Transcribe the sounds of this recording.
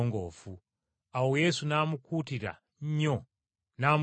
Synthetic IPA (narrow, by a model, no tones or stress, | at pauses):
ɔŋɡɔ̰ːfu | aujɛsunamukʰutiɾa̰ | ɲ̩ɲɔ | nam